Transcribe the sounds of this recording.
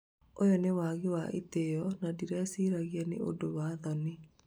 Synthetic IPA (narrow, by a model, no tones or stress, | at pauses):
ojɔnewaɣewaʔḛtejɔnadiɾɛsiɾaɣiɛnḛʔodowaːðɔni